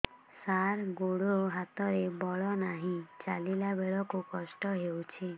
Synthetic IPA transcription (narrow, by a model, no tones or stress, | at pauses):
saɾɡoɽoɦat̪ɔɾebɔɭɔnaɦĩt͡ʃalilabeɭɔkokɔsʈɔɦewt͡ʃʰe